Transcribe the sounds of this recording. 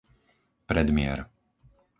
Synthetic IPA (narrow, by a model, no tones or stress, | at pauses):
pɾɛd̪mɪɛ̰ɾ